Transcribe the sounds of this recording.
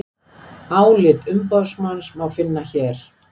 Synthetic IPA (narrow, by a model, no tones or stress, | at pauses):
aːwlɪt̪ʏmpɔðsmansmawfɪnːaçɛːɾ̥